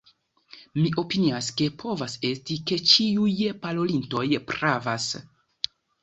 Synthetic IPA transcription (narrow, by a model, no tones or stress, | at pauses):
miʔo̞piniaske̞pʰo̞vase̞stike̞t͡ʃiujpalo̞linto̞jpɾavas